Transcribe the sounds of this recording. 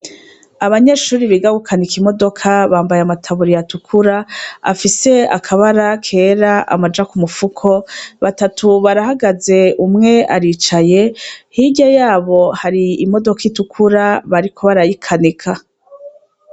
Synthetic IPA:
aβaɲe̞ːʃuːɾiβiɡaɡukʰanikimo̞do̞kʰaβaːmbajeamatʰaβuɾijatukʰuɾaa̰fise̞a̰kʰaβaɾakʰe̞ːɾaʔa̰mad͡ʒakumufukʰo̞βatatuβaɾahaɡaze̞umŋe̞aɾiːt͡ʃaje̞hiɟajaːβo̞haɾiːmo̞do̞kaitukʰuɾaβaɾikʰo̞βaɾajikʰanikʰa

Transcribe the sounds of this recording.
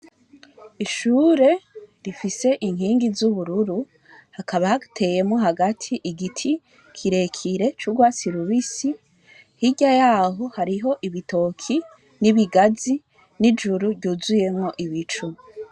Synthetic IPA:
iʃuːɾe̞ɾifise̞ʔiŋ̥hiːŋɡizuβuɾuɾu | hakaβahatʰe̞je̞mŋo̞ɦaɡatʰiʔiɡitʰi | kʰiɾe̞kʰiɾe̞t͡ʃuɡwasiɾuβisi | hiɟajaːɦo̞haɾiɦo̞ʔiβitʰo̞kʰi | niβiɡazi | nid͡ʒuɾuɾɟuzuje̞mŋo̞ʔiβit͡ʃu

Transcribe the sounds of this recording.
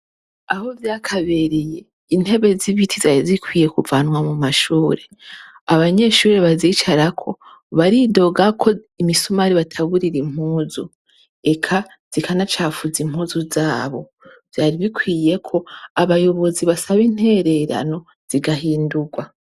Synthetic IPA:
aho̞vjaːkʰaβe̞ɾije̞ | in̥he̞βe̞ziβitʰizaɾizikwiːje̞kuvaːnwamumaʃuːɾe̞ | aβaɲe̞ʃuːɾeβazit͡ʃaɾakʰo̞̰ | βaɾido̞ɡakʰo̞imisumaɾiβatʰaβuɾiɾim̥huːzu | e̞kʰa | z̥ikʰanat͡ʃaːfuzim̥huːzuzaːβo̞̰ | v̥jaːɾiβikwiːje̞kʰo̞aβajo̞βo̞ziβasaβin̥he̞ɾe̞ɾa̰no̞ | z̥iɡaɦiːnduɡwa

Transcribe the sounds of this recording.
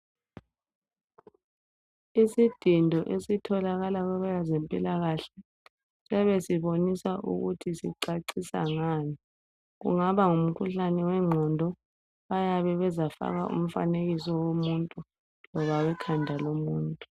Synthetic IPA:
isid̥ʱindʱɔʔesitʰɔlaɣalaɣɛβɔjazempʼḭlaɣaɬɛ | sɛβɛsiβonisaʔṵɣutʰisiǀaǀisa̰ŋani | ɣṵŋaβaŋum̩kʰuɬanɛwɛŋ͡ǁʱɔndʱɔ | βajaβɛβɛzafa̰ɣa̰ʔṵm̩fa̰neɣisɔwomuntʼu | lɔβawɛkʰandʱalomuːntʼu̥

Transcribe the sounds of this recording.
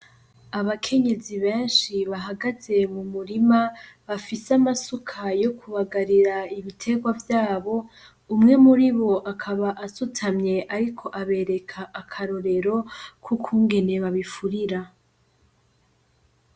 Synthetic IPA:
aβakʰe̞ɲe̞ziβẽ̞ːnʃiβaɦaɡaze̞mumuɾimaβafisamasukʰajo̞kʰuβaɡaɾiɾaiβitʰe̞ɡwavjaːβo̞ | umŋe̞muɾiβo̞ʔakʰaβaʔasutʰamɲe̞ʔaɾikʰo̞ʔaβe̞ɾe̞kʰaʔːkʰaɾo̞ɾe̞ɾo̞kʰukʰuːŋɡe̞ne̞βaβifuɾiɾa

